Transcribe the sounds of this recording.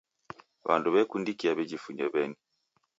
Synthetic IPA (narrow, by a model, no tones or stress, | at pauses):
βa̰nduβɛkundikiaβɛd͡ʒifuɲɛβɛni